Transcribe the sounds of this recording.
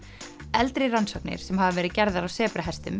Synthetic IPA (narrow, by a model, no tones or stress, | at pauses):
ɛlt̪ɾɪransɔknɪ̰ɾ̥sɛmhavavɛːɾɪðcɛɾðaɾawsɛːpɾɪɦɛst̪ʏm